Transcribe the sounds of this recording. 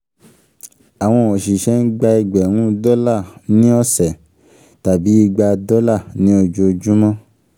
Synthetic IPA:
a˨w̃ɔ̃˧o˨ʃi˨ʃɛ˨˦n̩˦ɡ͡ba˧i˧ɡ͡bɛ̃˨ũ˦dɔ˦la˦˨nĩ˦ɔ˦sɛ˨ | ta˨bi˨˦i˧ɡ͡ba˧dɔ˦la˦˨nĩ˦o˧d͡ʒo˧d͡ʒu˦mɔ̃˦

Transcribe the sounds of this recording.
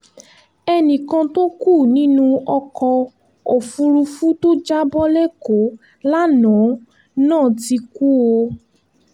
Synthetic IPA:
ɛ˧nĩ˨kã˧to˦ku˦˨nĩ˦nũ˦ɔ˧kɔ̃˧ | o˨fũ˧ɾu˧fu˦to˦d͡ʒa˦bɔ˦le˦ko˨˦ | la˦nã˨˦ | nãː˦˨ti˧ku˦wo˧

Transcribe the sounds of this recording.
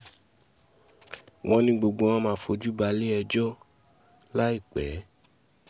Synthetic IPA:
w̃ɔ̃˧nĩ˧ɡ͡bo˨ɡ͡bo˨˧ɔ̃˧mãː˨˦fo˧d͡ʒu˦ba˧˦le˦ɛ˧d͡ʒɔ˦ | la˦i˦˨k͡pɛ˨˦

